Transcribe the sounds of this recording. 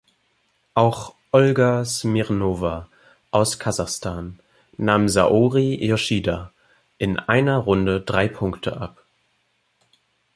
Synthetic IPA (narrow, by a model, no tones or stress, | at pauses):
ʔaʊχʔɔlɡasmiʁnoːva | ʔaʊskʰazaχstʰaːnː | aːmza̰ʔoːʁijoʃiːda | ʔɪnʔaɪnɐʁʊndədʁaɪpʰʊŋktʰə̰ʔap